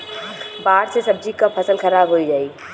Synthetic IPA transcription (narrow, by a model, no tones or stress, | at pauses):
baːɾsesɐb̚d͡ʒikapʰɐsəlxɐɾaːbɦoid͡ʒaːi